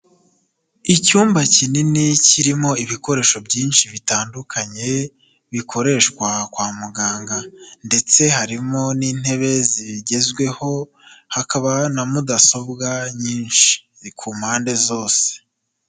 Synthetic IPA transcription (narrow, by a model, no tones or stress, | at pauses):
icuːmbacininiciɾimo̞iβiko̞ɾe̞ːʃo̞bjiːnʃiβitaːndukʰaɲe̞ | βikʰo̞ɾe̞ːʃkwakwaːmuɡaːŋɡande̞t͡se̞haɾimo̞niːn̥he̞βe̞ziɟe̞zɡwe̞ho̞ | hakaβanamudaso̞bɡaɲiːnʃi̥ | kʰuːmhaːnde̞zo̞ːse̥